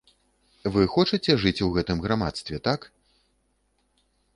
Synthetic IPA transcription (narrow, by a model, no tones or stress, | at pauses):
vɨxɔt͡ʂɨt͡sʲɛʐɨt͡sʲwɣɛt̪ɨmɣɾama̰t̪st̪vʲɛt̪ak